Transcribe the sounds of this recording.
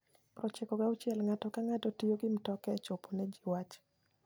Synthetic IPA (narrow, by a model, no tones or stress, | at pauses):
pɾɔt͡ʃɛkɔɡaʊt͡ʃjɛlŋatɔkaŋatɔtioɡɪmtɔkɛt͡ʃoponɛd͡ʒiwat͡ʃ